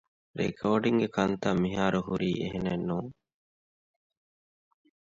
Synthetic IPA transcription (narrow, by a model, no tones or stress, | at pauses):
ɾḛkʰoːɖiŋɡekʰɐnt̪amiɦaːɾuɦuɾiːʔeɦenenːuːŋ